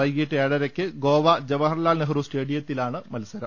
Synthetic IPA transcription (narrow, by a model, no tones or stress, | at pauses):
ɐjɡiʈːeːɽɐɾekʲːɨɡo̞ːʋɐd͡ʑɐʋɐɦɐrlaːlneɦɐruːsʈeːɽijɐt̪ːilaːɳɨmɐlɐsɐɾɐm